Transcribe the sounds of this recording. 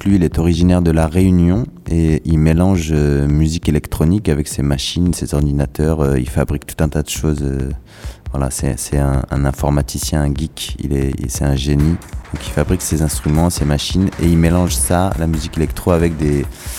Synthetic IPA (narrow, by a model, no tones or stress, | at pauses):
klɥiːlɛt̪ɔʁiʒinɛʁd̪əlaʁeynjɔ̃eilmelɑ̃ʒømyzikelɛkt̪χɔnikavɛksemaʃinsezɔʁd̪inat̪ʰœʁøḭlfabʁik̚t̪u̥t̪ɛ̃t̪ad̪əʃozø | vwala̰sɛ̰sɛɛ̃ɛ̰̃nɛ̃fɔʁmat̪ʰisjɛ̃ɛ̃ɡʲikḭlɛḭsɛɛ̃ʒenid̪̥ɔ̃kilfabʁiksezɛ̃st̪χymɑ̃semaʃinḛilmelɑ̃ʒsalamyzikelɛkt̪χoavɛk̚d̪e